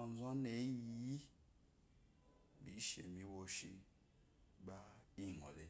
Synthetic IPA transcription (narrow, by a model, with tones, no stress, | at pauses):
n˦zo˦ne˨˦ji˨˦ji˦ | bi˨˦ʃḛ˨mi˦wo˨ʃi˦ | ba˦i˦˨ŋo̰˨le˨˦